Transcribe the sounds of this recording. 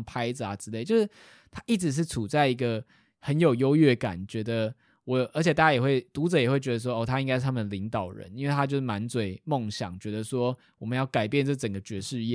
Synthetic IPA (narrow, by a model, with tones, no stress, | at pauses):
pʰa˥ɪd͡z̩˨a˨ʈ͡ʂɻ̩˥le˥˩ɪt͡ɕjo˥˧ʊʂɻ̩˥˩ | t̪ʰa˥ʔi˥˩ʈ͡ʂɻ̩˧˦ʂ̬ɻ̩˥˩t͡sʰu˨˩t͡sa˥˩ɪi˧˦ɡə˧ | hə˧˦njo˨˩ʊjo˥ʊɥɛ˥˩ka̰˨˩nt͡ɕɥɛ˧˥d̪ə˧ | wɔ˧˦˨ʔə˞˧˥t͡ɕʰjt̪a˥˩t͡ɕa˥jɛ˨˩xwe˥˩ɪt̪u˨˥ʈ͡ʂə˨jɛ˨˩xwe˥˩ɪt͡ɕɥɛ˧˦d̪ə˧s̬wɔ˦˥o˥˧˩t̪ʰa˦i˥ŋka˥ʂ̩˥˩t̪ʰa˥ə˨n˨li˧˥ŋt̪ɑ˨˩ʊɻə̰˧˦ni˦nwe˥˩ɪt̪ʰa˦t͡ɕjo˥˧ʊʂɻ̩˥˩ma˧˦nt͡swe˨˩ɪmɔ˥˨ŋɕjɑ̰˨˦ŋt͡ɕɥɛ˧˥d̪ə˨swɔ˦ | wɔ˨mə˦njɑ˥˩ʊka˨˩ɪpjɛ˥˧nt͡sɤ˥˩t͡sə˨˩ŋɡə˩t͡ɕɥɛ˧˥ʂɻ̩˥˧jɛ˥˨